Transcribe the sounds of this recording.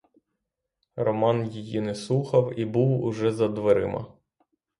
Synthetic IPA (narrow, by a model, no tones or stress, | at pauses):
rɔmɑnjijinɛslˠuxɐwibuwʊ̰ʒɛzɐd̪ʋeɾɪ̰mɐ̰